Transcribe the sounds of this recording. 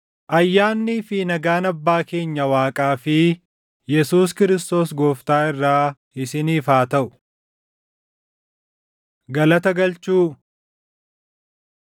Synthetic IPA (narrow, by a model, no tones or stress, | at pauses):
ʔɐjːaːnːiːfɪnɐɡaːnɐbːaːke̞ːɲːɐwaːkʼaːfɪ | jɛsuːs̬kɪɾɪst̪o̞ːsɡoːft̪aːɪrːaː | ɪsɪniːfaːt̪ɐʔʊ̥ | ɡɐlɐt̪ɐɡɐlt͡ʃuː